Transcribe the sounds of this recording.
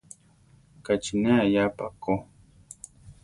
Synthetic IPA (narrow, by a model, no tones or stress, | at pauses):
kat͡ʃineajapako